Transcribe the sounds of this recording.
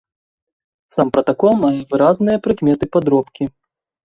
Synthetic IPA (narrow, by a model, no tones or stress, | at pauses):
sampɾɐt̪akɔlˠmajɛvɨɾaznɨjɐpɾɨkmʲɛt̪ɨpad̪ɾɔpkʲi